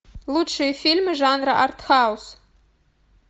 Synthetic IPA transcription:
luʈ͡ʂʰɨjfilʲmɨʒanraʔart̪ʰxaws

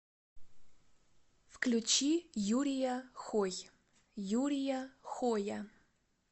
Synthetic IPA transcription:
fklʲʉt͡ɕijuɾʲɪjəxoj | juɾʲɪjəxojɐ

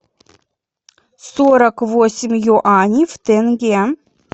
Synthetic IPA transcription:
soɾəkvosʲimʲjoʔɑnʲift̪eŋɡʲe

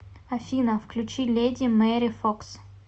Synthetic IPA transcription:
ɐfʲinəfklʲʉt͡ɕilʲedʲimɛɾʲɪfoks

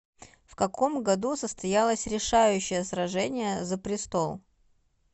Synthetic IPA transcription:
fkɐkʰo̞mɡɐd̪usəst̪ɐjalˠəsʲɾʲɪʂajʉɕːɪjəsɾɐʐɛnʲɪjəzəpɾʲɪst̪o̞lˠ

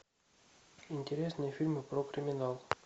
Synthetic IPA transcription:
ɪnʲtʲɪɾʲesnɨjəfʲilʲmɨpɾokɾʲɪmʲɪnalˠ

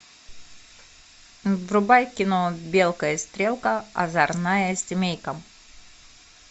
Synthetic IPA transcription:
vrʊbajkʲɪnobʲe̞lˠkəjəst̪ɾʲe̞lˠkəɐ̰zarnajəsʲɪmʲejkəm

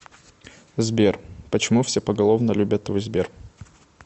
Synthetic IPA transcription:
zbʲerpət͡ɕɪmufsʲepəɡɐlˠovnəlʲubʲət̪ːvojzbʲer

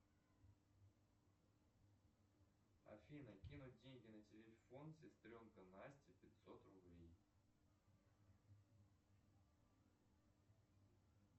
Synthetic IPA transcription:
ɐ̰fʲinɐkʲinʊt̚ʲdʲeŋʲɡʲɪnɐtʲɪlʲɪlʲɪfonsʲɪst̪ɾʲonkɐnasʲtʲɪpʲɪt̪sot̪rʊblʲej

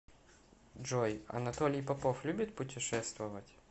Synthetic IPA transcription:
ʐojɐ̰nɐt̪olʲɪjpɐpoflʲubʲɪt̪̚pʊtʲɪʂɛst̪vəvətʲ

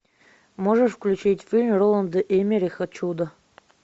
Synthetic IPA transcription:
moʐəʂfklʲʉt͡ɕitʲfʲilʲmʲrolˠənd̪əʔemʲeɾʲixət͡ɕud̪ə

